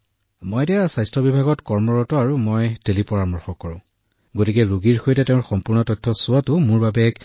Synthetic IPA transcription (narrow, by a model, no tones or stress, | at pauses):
mɔjtijasajstɹɔbibʱaɡɔtkɔɹmɔɹɔtɔaɹumɔjtelipɔɹamɔɹxɔkːɔɹʊ̃ | ɡotikɛɹuɡiɹxojtɛteʊ̃ɹxɔmpʊɹnɔtɔtʰːɔsʊatʊmʊɹbabɛk